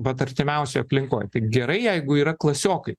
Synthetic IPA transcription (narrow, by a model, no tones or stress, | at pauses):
ʋɐt̪ɐɾʲt̪ʲɪmʲɛʊsʲojɐpʲlʲɪŋkoːjt̪ɐɪɡʲɛɾɐɪjɛɪɡʊiːɾɐklˠɐsʲoːkɐɪ